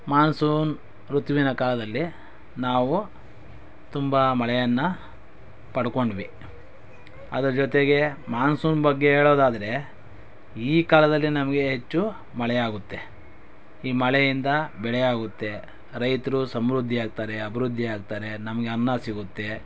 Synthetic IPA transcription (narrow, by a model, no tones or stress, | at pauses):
maːnsuːn | ɾut̪ʋinɐkaːlɐd̪ɐlːi | naːʋu | t̪umbɐmɐɭɛjɐnːɐ | pɐɽuko̞ɳɖʋi | ɐd̪ɐɾɐd͡ʒɔt̪eɡe̞maːnsuːnbɐɡːe̞eːɭoːd̪aːd̪ɐɾe̞ | iːkaːlɐd̪ɐlːinɐmɐɡe̞ɦet͡ʃːu | mɐɭɛjaːɡut̪ːe̞ | iːmɐɭejind̪ɐbɛɭɛjaːɡut̪ːe̞ | ɾɐjt̪ɐɾusɐmɾud̪ʱːijaːɡ̚t̪aːɾe̞ɐbʱɐɾud̪ʱːiaːɡt̪aːɾe̞nɐmɐɡe̞ɐnːasiɡut̪ːe̞